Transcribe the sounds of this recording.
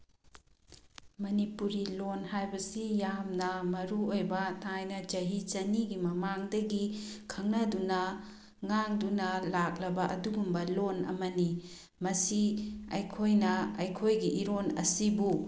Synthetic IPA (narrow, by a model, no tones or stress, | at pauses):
mɐnipuɾilonhajbɐsijamnɐmɐɾuojbɐtʰajnɐd͡ʒɐɦit͡ʃɐniɡimɐmaŋdɐɡikʰɐŋnɐdunɐ | ŋaŋdunɐlak̚lɐbɐʔɐ̰duɡumbɐlonɐ̰mɐni | mɐsiɐjkʰojnɐɐjkʰojɡiʔːɾonɐ̰sibu